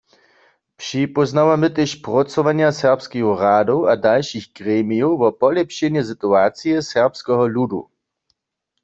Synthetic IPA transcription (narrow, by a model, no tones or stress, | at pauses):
pʂipɔznawamɪt̪eʃpʁɔt͡sɔʋanjasɛʁpskioʁaːdowadalʃixkʁɛːmijowvɔpɔlɛpʃɛnjɛsit̪uaːt͡sijɛsɛʁpskɛɦɔludṵ